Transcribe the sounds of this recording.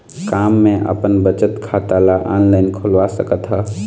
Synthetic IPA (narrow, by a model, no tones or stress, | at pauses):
kaːmːẽʔə̰pənbət͡ʃət̪kʰat̪alaʔaːnlaːɪnkʰʊlʋasəkət̪ɦɛ